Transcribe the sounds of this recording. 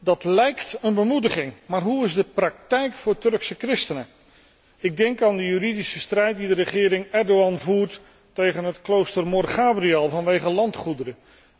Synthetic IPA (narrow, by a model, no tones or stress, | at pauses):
dɑtlɛjktənbəmudəχɪŋmaːɹɦuɪzdəprɑk̚tɛjkfʊːɹtɵrksəkrɪstənə | ɪɡ̚dɛŋkaːndəjyridisəstrɛjt̚didərəχɪːɾɪŋɛɹdoɑnvuːɹt | tejχənɦətklowstərmɔrχaːbriɛlˠvɑnʋejχəlɑntχudərə